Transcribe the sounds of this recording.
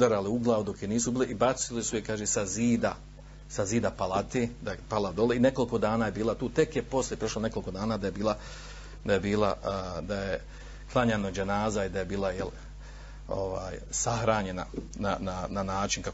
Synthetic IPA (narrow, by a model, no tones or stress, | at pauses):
d̪aɾaleuɡlˠaːʋud̪o̞keniːsubiːleibat̪silisujekaːʒesaziːd̪a | saziːd̪apalˠat̪eːd̪apalˠad̪o̞leine̞ko̞liko̞d̪aːnaːje̞biːlˠat̪uːt̪e̞kjepo̞sljepɾo̞ʃlane̞ko̞lˠiko̞d̪aːnaːd̪ajebiːlˠa | d̪ajebiːla̰d̪aje | klˠaɲanod͡ʒenaːzaid̪ajebiːlˠajel | o̰ʋa̰ːjsaxɾaːɲe̞na̰ | nanananaːt͡ʃinka